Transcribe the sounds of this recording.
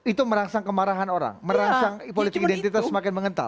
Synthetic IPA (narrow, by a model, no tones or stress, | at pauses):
it̪uməɾaŋsaŋkəmaɾaɦanoɾa̰ŋməɾaŋsaŋpolit̪kidɛnt̪it̪asəmakɪnməŋənt̪a̰